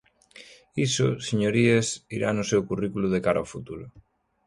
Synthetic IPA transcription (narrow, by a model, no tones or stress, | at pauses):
isʊseɲoɾiesiɾanʊsewkurikuluðekaɾaofut̪uɾʊ